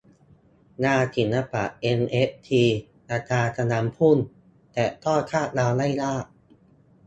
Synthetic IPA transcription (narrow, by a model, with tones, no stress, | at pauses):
naː˧t̪ʰi˨˩˦nːa˧pa̰˨˩ʔʔe˧nʔe˦˥p̚t̪ʰiː˧ | ʔa˧t̪aː˧sʰa˧naː˩˦mpʰu˥˩˨n | t̪ɛː˨˩t̪ʰɔː˥˩kʰaː˥˩t̪̚laː˧wla˥˩jlaː˥˩ʔ̚